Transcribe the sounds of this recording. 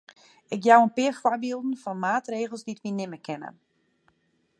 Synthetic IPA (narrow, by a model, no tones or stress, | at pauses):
ɪkjawənpɪərfwabilˠdn̩fɔnmaːtreːɣəlˠsditʋinɪməkʰɪnə̰